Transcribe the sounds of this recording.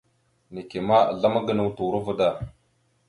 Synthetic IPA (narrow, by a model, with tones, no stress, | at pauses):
ne˨ke˨ma˦a̰˨ɮa˦ma˦ɡə˨nə˨wtu˨ɾə˦və˦da˨